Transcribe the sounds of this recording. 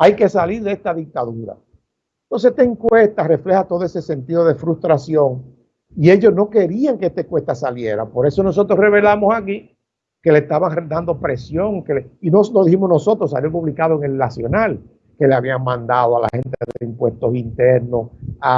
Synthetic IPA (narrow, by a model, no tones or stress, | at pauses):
ajke̞saliɾðeest̪aðik̚t̪aðuɾa̰ | nt̪onseet̪eŋkwe̞st̪are̞fle̞hat̪oðoese̞se̞nt̪iðoð̞e̞fɾust̪ɾasjo̞ŋ | ie̞ʝo̞sno̞ke̞ɾiaŋkeest̪aeŋkwest̪asalje̞ɾa̰po̞ɾe̞so̞no̞s̬o̞t̪ɾosre̞βe̞lamosaki | ke̞lehst̪aβard̪and̪o̞pɾe̞sjo̞ŋkeleinosloðihimonoso̞t̪ɾos̬a̰ljopuβlikaðoeŋe̞lnasjo̞nal | ke̞leaβiaŋmãnd̪aðoala̰he̞nt̪eeðeimpwe̞st̪o̞sint̪e̞ɾno̞sa